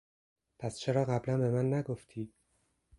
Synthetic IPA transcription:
pʰæst͡ʃʰe̞ɾɒːɣæblænbe̞mænːæɡoft̪ʰiːd̪̥̚

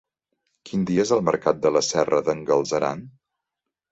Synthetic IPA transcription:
kind̪iezəlˠmə̰ɾkat̪̚d̪ələsɛrəðəŋɡəlˠzəɾa̰n

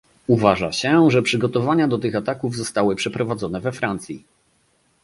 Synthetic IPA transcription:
uvaʐaɕɛʐɛpʂɘɡɔt̪ɔvaɲad̪ɔt̪ɘxat̪akuvzɔst̪awɘpʂɛpɾɔvad̪zɔnɛvɛfɾant̪sʲjḭ

